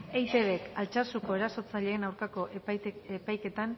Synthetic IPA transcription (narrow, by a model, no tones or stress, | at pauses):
e̞jt̪e̞βe̞kalt͡ʃasuko̞e̞ɾaso̞t͡saʎe̞ːnawɾkako̞ʔepajke̞t̪an